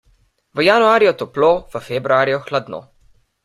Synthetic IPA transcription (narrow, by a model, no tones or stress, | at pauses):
ʋəjanuaːɾijɔt̪ɔploʋəfebɾuaːɾiɔxlad̪no̰